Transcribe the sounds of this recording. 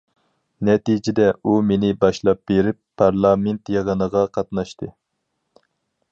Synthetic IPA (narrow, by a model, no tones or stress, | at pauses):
nɛt̪id͡ʒɪd̪ɛumenɪbɑʃlˠɑp̚b̥eɾɪpʰːɑɾlˠɑment̪jeʁənəʁɑqʰɑt̪nɑʃt̪ɨ